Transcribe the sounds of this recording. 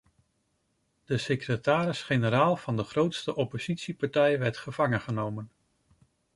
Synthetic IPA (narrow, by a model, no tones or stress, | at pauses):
d̥əsekrətaːɾɪsχenəɾaːlˠv̥ɑndəχrowtstəʔɔpoz̥itsipɑɹtɛjʋɛɹtχəv̥ɑŋənχənowmən